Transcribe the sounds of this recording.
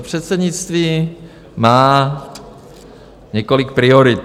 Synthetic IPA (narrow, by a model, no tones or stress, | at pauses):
pr̝̥ɛt̪sɛdɲɪt͡st̪viː | maː | ɲɛkolɪk̚pɾɪoɾɪt̪